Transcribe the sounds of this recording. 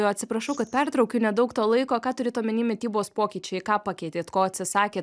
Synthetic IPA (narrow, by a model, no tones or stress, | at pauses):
oːɐt̪ʲsʲɪpɾɐʃɐʊkɐt̪pʲɛrt̪ɾɐʊkʲunʲɛd̪ɐʊkt̪oːlˠɐɪkoːkɑːt̪ʊɾʲɪt̪oːmʲɪnʲɪmʲɪt̪ʲiːboːspoːkʲiːt͡ʃʲɛɪkɑːpɑkʲɛɪt̪ʲeːt̪koːɐt̪ʲsʲɪsɑːkʲeːt